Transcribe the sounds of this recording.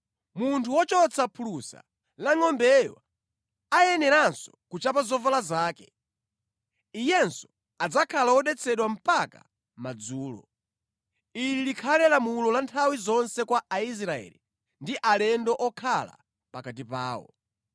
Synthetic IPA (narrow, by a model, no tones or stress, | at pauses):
muntʰuwɔt͡ʃɔt͡sʰapʰulusa̰ | laŋɔmbɛjwa̰ | ajɛnɛɾansɔkut͡ʃapazɔvalazaːkɛ | ijɛnsɔ̥ | ad͡zakʰalawɔɗɛt͡sʰɛɗwam̩paka̰ | mad͡zuːlɔ̰ | ililikʰalɛlamulɔlantʰawizɔnsɛkwaʔais̬ɾaɛ̰ːli | ndiʔalɛndɔʔɔkʰala̰ | pakat̬ipaːwɔ̰